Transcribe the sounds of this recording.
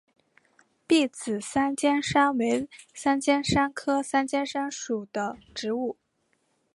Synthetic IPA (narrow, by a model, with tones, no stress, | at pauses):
pi˥˩t͡sɹ̩˨˩sa˥nt͡ɕjɛ˥nʂa˥ŋwe˧˥ɪsa˥nt͡ɕjɛ˥nʂa˥nkʰɤ˥sa˥nt͡ɕjɛ˥nʂa˥nʂu˨˩d̪̥ə˦ʈ͡ʂɻ̩˧˥u˥˩